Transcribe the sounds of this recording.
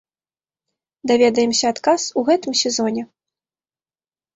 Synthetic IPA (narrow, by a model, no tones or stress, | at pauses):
d̪avʲɛd̪ɐjɛmsʲɐːt̪kasuɣɛt̪ɨmsʲɛzɔnʲɛ